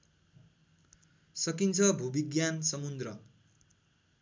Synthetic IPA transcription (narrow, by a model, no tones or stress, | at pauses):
sʌkint͡sʰʌbʱubiɡjansʌmund̪rʌ